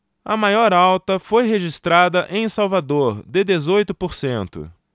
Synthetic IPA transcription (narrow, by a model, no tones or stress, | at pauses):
ɐmajɔɾawt̪ɐfojɦeʒist̪ɾad̪ɐʔẽj̃sawvad̪oɾd̪ɪd̪ezojt̪ʊpoɾsẽnt̪ʊ̰